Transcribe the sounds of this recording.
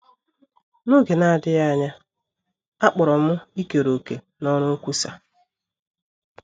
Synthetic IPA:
no˦ɡe˨na˦˨dɪ˦ja˦ɲa˦ | a˦k͡pʊ˨ɾɔ˨mʊ˦i˦ke˨ɾo˨ke˨ | nɔ˦ɾʊ˦kʷu˦sa˨

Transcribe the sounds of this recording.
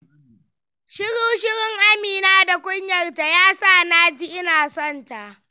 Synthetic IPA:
ʃɪ˦ɽuː˦ʃɪ˦ɽɪ˦ŋʔa˦miː˨naː˦da˨kʷʊ˦ɲjɐ˨rta˨jaː˦saː˦˨naː˦d͡ʒi˦ʔɪ˦naː˨sɔ˦˨nta˨ʔ

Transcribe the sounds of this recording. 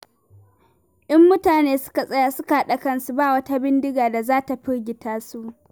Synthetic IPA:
ʔɪ˦mːʊ˦taː˨neː˦sʊ̥˦ka˨sʼɐ˦ja˨sʊ˦ka˨˦ɗa˨kɐ˦nsu˨baː˦˨wɐ˦ta˦bɪ˦ndɪ˦ɡaː˨da˨zaː˦ta˨ɸɪ˦ɽɡʲɪ˨taː˦su˦ʔ

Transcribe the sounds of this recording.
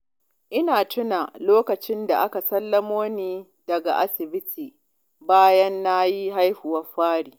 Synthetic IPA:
ʔɪ˦naː˨tʊ˦na˨loː˦kɐ˨t͡ʃɪ˦nda̰˨ʔa˦ka˨sɐ˦lːɐ˦moː˦niː˦ | dɐ˨ɡa̰˨ʔa˦sɪ˨bɪ˦tʰiː˨ | baː˦jɐ˦nːa˦ji˦ɦa˦jɸʊ˨wɐ˦ɸaː˦ɽiː˨

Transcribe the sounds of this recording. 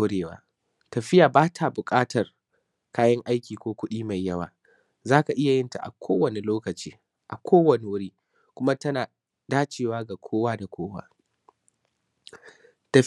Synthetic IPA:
ɽeː˨wa̰ː˦ | tɐ˨ɸɪ˦jaː˨baː˦tʰa˨bʊ˨kʼaː˦tʰɐ˨r | kaː˦jɐ˦ŋʔa˦jkʲiː˨kʷoː˦kʷʊ˦ɗiː˦ma˨jːɐ˦wa̰ː˨ | zaː˦ka˨ʔɪ˦ja˨jɪ˦nta̰˨ʔa̰˨kʷʰoː˦wɐ˨ne˨loː˦kɐ˨t͡ʃḭː˦ | ʔa˨kʷʰoː˦wɐ˨ne˨wʊ˦ɽiː˦ | kʷʊ˦ma˦tɐ˦naː˨ | daː˦t͡ʃeː˨waː˦ɡa˨kʷʰoː˦waː˦da˨kʷʰoː˦wa̰ː˦ | tɐ˨

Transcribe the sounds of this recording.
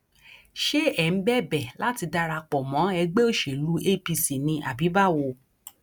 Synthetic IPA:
ʃe˦ɛ˨n̩˦bɛ˦bɛ˨la˦ti˧da˧ɾa˧k͡pɔ˨mɔ̃˨˦ɛ˧ɡ͡be˦o˦˨ʃe˨lu˨˦ʔe˦pi˧si˨nĩ˧ʔa˨bi˨˦ba˦˨wo˧˨

